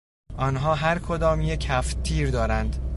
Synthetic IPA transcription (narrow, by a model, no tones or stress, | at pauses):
ʔɒnɦɒːɦæɾkʰod̪ɒːmjecʰæft̪ʰiːɾd̪ɒːɾænd̪